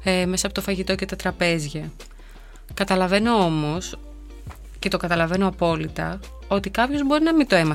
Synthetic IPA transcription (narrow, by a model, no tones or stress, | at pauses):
eme̞sɐːpo̞t̪ofɐʝit̪o̞ce̞t̪ɐt̪ɾɐpe̞zʝɐ | kɐt̪ɐlɐve̞no̞o̞mo̞s | ce̞t̪o̞kɐt̪ɐlɐve̞noɐpo̞lit̪ɐ̰ | o̞t̪ikɐpço̞zbo̞ɾinɐmit̪oe̞mɐ